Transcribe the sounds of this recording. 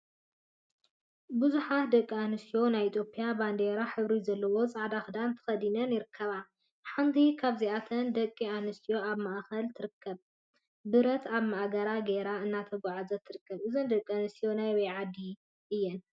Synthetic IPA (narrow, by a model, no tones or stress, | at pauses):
bɨzuħat̪d̪ɐkʼːianɨst̪jo̞najit̪ʰʼjo̞pʰʼijaband̪eɾaħɨβɾizɐlːɐwo̞t͡sʼaʕd̪axɨd̪ant̪ʰɐ̥xɐd̪inɐnjɪɾɨkʰːɐβa | ħant̪ʰikʰaβziat̪ʰɐnd̪ɐkʼːianɨst̪ʰijo̞aβmaʔxɐlt̪ʰɨɾɨkʰːɐβ | bɨɾɐt̪ʰaβmaʔaɡɐɾaɡeɾaɨnːat̪ʰɐɡʷaʕazɐt̪ʰːɨɾɨkːɐβʔɨzɨnd̪ɐkʼːanɨst̪ijo̞najwɐjʕad̪ːi | ʔɨjːɛn